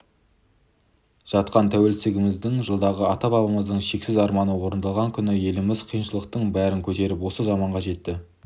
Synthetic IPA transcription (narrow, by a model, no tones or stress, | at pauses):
ʒ̥ɑt̪qɑnt̪ʰæwe̞lsɪɡʲɪmɪzd̪ɪŋʒəlˠd̪ɑʁəɑt̪ɑbɑbɑməzd̪əɴʃe̞ksɪzɑɾmɑnəwo̞ɾənd̪ɑlˠʁɑŋkʲʰʏnɪje̞lɪmɪzqʰijənʃəlˠəq̚t̪əɴbæɾɪŋkʲʰɵt̪e̞ɾɪpwo̞səzɑmɑɴʁɑʒe̞t̪ːɪ